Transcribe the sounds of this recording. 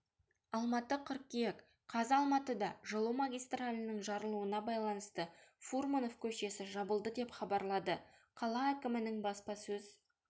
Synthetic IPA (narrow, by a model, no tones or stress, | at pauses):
ɑlˠmɑt̪əqʰʊɾ̚kʲːijek | qʰɑzɑlˠmɑt̪əd̪ɑʒəlˠuwmaɡʲijst̪ralʲənəɴʒɑɾəlˠuənɑbɑjlˠɑnəst̪əfurmunofkʲʰɵʃe̞sɪʒɑbəlˠd̪əd̪e̞pχɑbɑɾlˠɑd̪əqʰɑlˠɑækʲɪmɪnɪŋbɑspɑsɵz̥